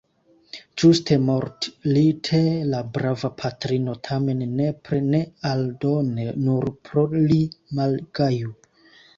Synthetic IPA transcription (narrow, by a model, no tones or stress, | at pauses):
d͡ʒustʰe̞moɾtlitʰelabɾavapʰatɾino̞tʰame̞nːe̞pɾene̞aldo̞ne̞nuɾpɾolimalɡaju